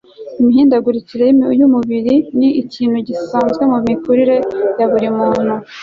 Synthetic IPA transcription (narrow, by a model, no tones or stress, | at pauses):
imiɦiːndaɡuɾit͡siɾeimjumuβiɾiniiciːnhuɟisaːnzɡe̞mumikuɾiɾejaβuɾimuːn̥hu